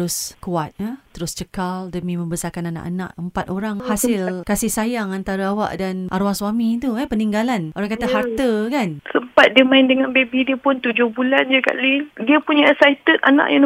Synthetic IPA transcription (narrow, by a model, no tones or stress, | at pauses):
ɾʊskuat̪̚ət̪əɾʊst͡ʃəkaldəmĩmə̃mbəsarkanana̰ʔana̰ʔəmpat̪oɾaŋhasɪlkasɪhsajaŋant̪aɾaawa̰ʔdanʔaɾuaŋswamĩt̪uɛpəniŋɡalanʔoɾaŋkat̪ahart̪əkansəmpat̪̚diəmãɪndəŋanbebidiəpʊnt̪ud͡ʒʊhbuland͡ʒəka̰ʔlidiəpuɲasait̪ət̪ʔa̰nã̰ʔjan